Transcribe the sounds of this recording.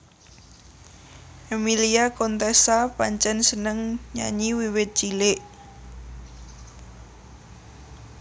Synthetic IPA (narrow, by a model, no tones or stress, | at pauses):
ʔemiliakɔnt̪ɛsapaɲt͡ʃɛnsənəŋɲa̰ɲiwiwɪt̪̚t͡ʃileʔ